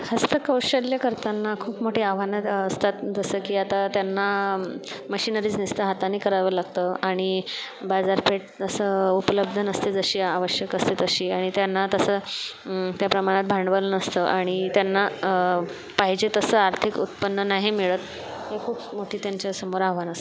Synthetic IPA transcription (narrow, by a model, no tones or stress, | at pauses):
həst̪əkəwɕəljəkəɾt̪anːakʰuːpmoʈiːaʋ̤anət̪əst̪at̪d͡zəsəkiːat̪at̪janːa | məɕinəɾiːt͡snist̪əɦat̪aniːkəɾaʋəlaɡ̚t̪əaɽ̃ibad͡zaɾpeʈ̚əsəupələb̚d̪ʱənəst̪ed͡zəɕiːaʋəɕjəkəst̪et̪əɕiːaɽ̃it̪janːat̪əsə | t̪japɾəmaɽ̃at̪̚bʱaɳɖʋələnəst̪əʔaɽ̃it̪janːa | paɦid͡ʑet̪əsəːaɾt̪ʰikṵt̪pənːənaɦimiɭət̪ | hekʰuːpmoʈʰiːt̪jaɲt͡ɕjasəmoɾaaʋanəst̪